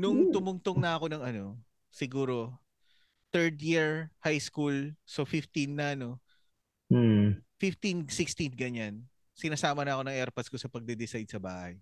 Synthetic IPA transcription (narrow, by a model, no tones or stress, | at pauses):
nʊŋt̪ʊmʊŋt̪oŋnɐɐko̞nɐŋɐno̞ | sɪɡuːɾo̞ | t̪ɛɹd̪jiɹhajskulsofɪft̪inːɐɐno̞ | m̩fɪft̪insɪkst̪inɡɐɲan | sɪnaːsaːmɐnɐʔɐko̞nɐŋʔɛɾpɐsko̞sɐpɐɡ̚d̪ɛd̪ɪsajd̪̚sɐba̰ːhɐj